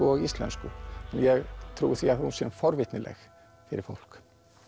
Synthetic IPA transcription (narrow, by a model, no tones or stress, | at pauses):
ɔɣist̪lɛ̰nskʏɛnjɛɣt̪ʰɾuːðɪθiaðhunsɛnfɔɾvɪt̪nɪlɛ̰x | fɪɾɪɾfowl̥k